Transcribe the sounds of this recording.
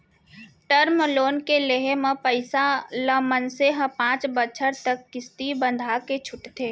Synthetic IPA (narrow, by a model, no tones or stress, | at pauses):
ʈəɾmloːnkeleɦemẽpəɪsaləmənseɦə̃pãːt͡ʃbət͡ʃʰəɾt̪əkːɪst̪ibə̃nd̪ʱaket͡ʃʰʊʈt̪ʰeː